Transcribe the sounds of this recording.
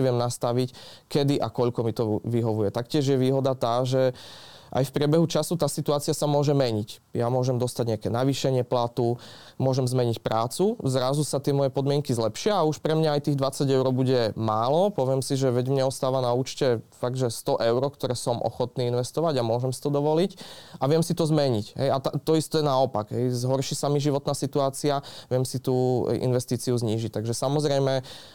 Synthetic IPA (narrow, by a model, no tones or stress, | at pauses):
ʋɪɛmnast̪aʋic | kɛd̪iʔa̰kɔʎkɔmit̪ɔʋiɦɔʋujɛt̪akcɪɛʒjɛʋiːɦɔd̪at̪aːʒɛʔa̰jfpɾɪɛbɛɦut͡ʃasut̪aːsit̪uaːt͡siasamʊɔʒɛmɛɲicjamʊɔʒɛmd̪ɔst̪aɟɲɪakɛːnaʋiʃɛɲɪɛplat̪u | mʊɔʒɛmzmɛɲicpɾaːt͡suzɾazusat̪ɪɛmɔjɛpɔd̪mɪɛŋkizlɛpʃɪaːuʃpɾɛmɲaajt̪iːɣd̪ʋat͡saɟɛʊɾɔbuɟɛmaːlɔpɔʋɪɛmsiʒɛʋɛɟmɲɛɔst̪aːʋanauːt͡ʃcɛfaɡ̚d̪ʒɛst̪ɔʔɛʊɾɔkt̪ɔɾɛːsɔmʔɔ̰xɔt̪niːinʋɛst̪ɔʋaɟamʊɔʒɛmsi̥t̪ɔd̪ɔʋɔlicaʋɪɛmsit̪ɔzmɛɲicɦɛ̰jat̪at̪ɔist̪ɛnaɔpaɡɦɛjzɦɔɾʃisamiʒiʋɔt̪naːsit̪uaːt͡siaʋɪɛmsit̪ṵːḭnʋɛst̪iːt͡siuzɲiːʒic̚t̪aɡʒɛsamɔzɾɛjmɛ